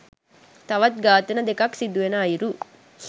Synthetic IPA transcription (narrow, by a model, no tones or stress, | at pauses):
t̪ɐʋɐt̪̚ɡaːt̪ɐnɐd̪ekɐksid̪uʋenɐːjiɾu